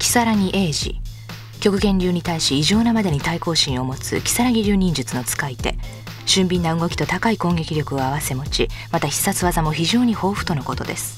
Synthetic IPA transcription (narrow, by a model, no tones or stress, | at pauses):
kʲi̥saɾaŋʲiʔeːʑḭ | kʲo̞kɯ̟ɡẽ̞ɲʲɾʲɨːɲ̟it̪aiɕiːʑo̞ːnamad̪e̞ɲ̟it̪aiko̞ːɕĩɰ̃o̞mo̞t͡sɨ̰kʲi̥saɾaɡʲiɾʲɨːɲ̟ĩɲ̟d͡ʑɨt͡sɨno̞t͡sɨ̥kait̪e̞̰ | ɕɨ̃mbʲĩnːaɯ̟ɡo̞kʲi̥t̪o̞t̪akaikõ̞ŋɡe̞kʲiɾʲjo̞kɯ̟o̞aβase̞mo̞t͡ɕimat̪açi̥sːat͡sɨβazamo̞çiʑo̞ːɲ̟iho̞ːɸɯ̟̥t̪o̞no̞ko̞t̪o̞d̪e̞̰sɨ̥